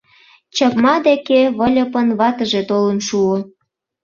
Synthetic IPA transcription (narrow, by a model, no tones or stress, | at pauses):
t͡ɕəpmɑd̪ekeβəlʲə̆pənβɑt̪əʒet̪olənʃuo